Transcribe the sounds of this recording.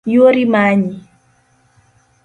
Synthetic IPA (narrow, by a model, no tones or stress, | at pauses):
joɾimaɲi